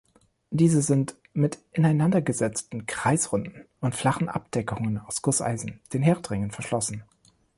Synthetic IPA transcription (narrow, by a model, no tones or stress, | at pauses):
d̥iːzəzɪnt | mɪtʔɪnaɪnandɐɡəzɛt͡stn̩kʁ̥aɪsʁʊndn̩ | ʊntfl̥aχn̩ʔa̰p̚d̥ɛkʰʊŋənaʊsɡ̥ʊsa̰ɪzn̩d̥eːnɦɛːɐtʁɪŋənfɛɐʃlɔsn̩